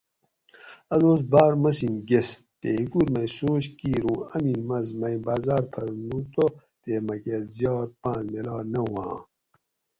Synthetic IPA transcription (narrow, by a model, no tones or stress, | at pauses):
ɐnoːsbaːɾmɐsinɡest̪eikuɾmɐjsoːɕkiːɾũːɐmimɐzmɐjbaːzaːɾpʰɐɾnut̪o | t̪emɐkezjɑːt̪̚pãːnzmelaːnɐwã̰ː